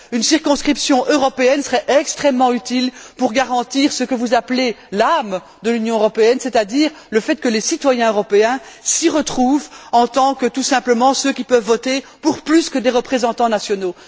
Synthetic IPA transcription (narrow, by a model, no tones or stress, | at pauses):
ynsiʁkɔ̃skχipsjɔ̃ʔøʁɔpeɛnsəʁɛʔɛkst̪χɛmːɑ̃yt̪ilpuʁɡaʁɑ̃t̪iːʁsəkəvuzaplelam | d̪əlynjɔ̃øʁɔpeɛnsɛt̪ad̪iːʁ | ləfɛt̪̚kəlesit̪wajɛ̃øʁɔpeɛ̃siʁət̪χuvɑ̃t̪ɑ̃kət̪usɛ̃pləmɑ̃søkʲipœvːɔt̪epuʁplyskəd̪eʁəpχezɑ̃t̪ɑ̃nasjɔno